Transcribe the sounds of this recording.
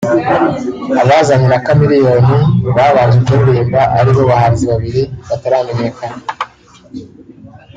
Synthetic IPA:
aβaːzamenakamiɾijo̞niβaːβaɲʒbɟoɾuɾiːmbaʔaɾiβo̞βahaziβaβiɾiβataɾaːme̞ɲe̞kana

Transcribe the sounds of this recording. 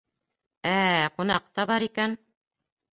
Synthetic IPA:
æqunɑq̚t̪ɑbɑɾikæn

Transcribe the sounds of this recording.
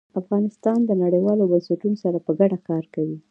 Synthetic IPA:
afɣɑnɪst̪ɑnd̪ənaɽəjwɑlobansɪʈunosaɾapəɡaɽakɑɾkawi

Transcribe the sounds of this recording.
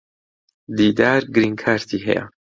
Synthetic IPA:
d̪iːd̪aːɾɡɨɾiːŋkʰaːɾt̪ʰiːɦɛ̰ja̰

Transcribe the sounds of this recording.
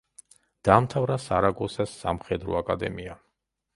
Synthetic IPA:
d̪̥aːmt̪ʰavɾasaɾaɡɔsasa̰mχɛd̪ɾɔ̰akʼad̪ɛ̰mia

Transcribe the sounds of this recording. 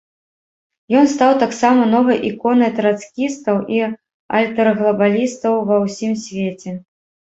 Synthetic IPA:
jɔnst̪awt̪aksamɐnɔvɨjʔikɔnɨt̪ɾat̪skʲist̪ɐwʔi | ɐ̰lʲt̪ɐɾɨɣlˠɐbalʲist̪ɐwvɐwsʲimsʲvʲet͡sʲɛ

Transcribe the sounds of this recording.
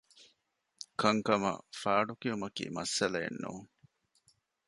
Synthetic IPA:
kɐŋkɐmɐ̰faːɖukiumɐkḭːmɐsːɐlɐḛnːṵːŋ

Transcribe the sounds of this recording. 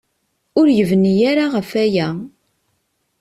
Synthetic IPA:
ʊɾjəvənijaɾaʁəfæjæ

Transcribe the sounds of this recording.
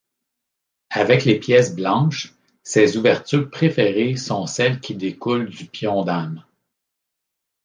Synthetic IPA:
avɛklepjɛsblɑ̃ʃ | sezuvɛʁt̪yːʁpχefeʁesɔ̃sɛlkʲʰid̪ekʊld͡zypjɔ̃d̪am

